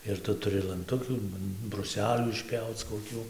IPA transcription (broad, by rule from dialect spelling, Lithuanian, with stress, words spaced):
ɪr ˈtʊ tʊˈrʲɪ lˠɐnˈtʊkʲuː brʊˈsʲæːlʲuː ɪʃʲˈpʲjɛʊt͡s koːˈkʲuː